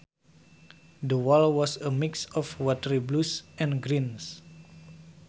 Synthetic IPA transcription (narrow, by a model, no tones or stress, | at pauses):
dəwɔlwɔsəmiksɔfwɔtəɾiblusʔɛ̃nɡɾins